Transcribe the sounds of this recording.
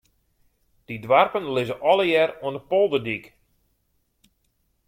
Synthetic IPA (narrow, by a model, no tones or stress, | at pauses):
d̥idʋarpənlɪzəʔɔləjɛrɔənəpolˠdədik